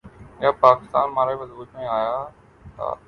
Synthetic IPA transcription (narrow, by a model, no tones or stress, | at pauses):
jaːpaːkɪ̥st̪aːnmãːɾaʋɐzbuːt̪ĩaːja | t̪a̰